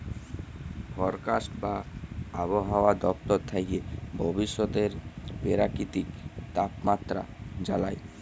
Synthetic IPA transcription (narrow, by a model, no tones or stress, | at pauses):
fʰɔɾkasʈbaaboɦaoad̪ɔp̚t̪ɔɾt̪ʰaiebʱɔbiʃːɔt̪eɾpeɾakit̪ikt̪apmat̪ːɾa̰d͡ʑala̰j